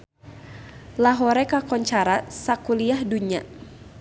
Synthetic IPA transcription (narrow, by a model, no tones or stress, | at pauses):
laɦɔɾɛkakɔɲt͡ʃaɾasakuliahduɲa